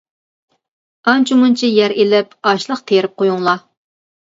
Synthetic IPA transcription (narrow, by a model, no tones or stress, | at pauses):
ɑnt͡ʃʰumunt͡ʃʰijɛɾelɛpɑʃlˠəqt̪ʰeɾɪp̚qʰojuŋlˠɑ